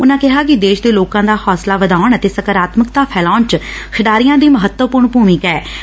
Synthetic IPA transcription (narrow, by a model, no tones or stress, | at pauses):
ʊnãːkɪɦaːkɪd̪eːʃd̪eːloːkãːd̪aːhɔːslaːʋəd̪aːʊɳət̪eːsəkəɾaːt̪məkt̪aːpʰɛːlaːnt͡ʃkʰɪɖaːɾɪjãːd̪iːməɦət̪ːəpʊɾɳpuːmɪkɛː